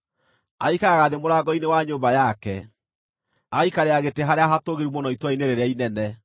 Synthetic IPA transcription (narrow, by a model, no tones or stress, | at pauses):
aikaɣaðemoɾaɡɔinewaɲoːmbajakɛ | aɣikaɾeaɣeteɦaɾeaɦatoɣeɾiumonɔitwaineɾeɾeainɛnɛ